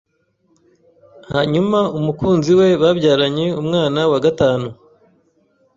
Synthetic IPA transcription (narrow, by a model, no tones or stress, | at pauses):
haɲumaumukuːnziwe̞βabɟaːɾaɲe̞umŋaːnawaɡataːnu